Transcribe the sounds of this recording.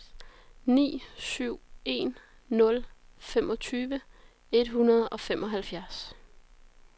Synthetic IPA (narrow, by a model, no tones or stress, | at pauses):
nḭːsyʊ̰e̝nː | ɔ̽lfemʔɒ̽t͡sʰyːʋə | e̝d̥ɦunɐð̞ˠɒ̽femʔɒ̽ɦælfjæɐs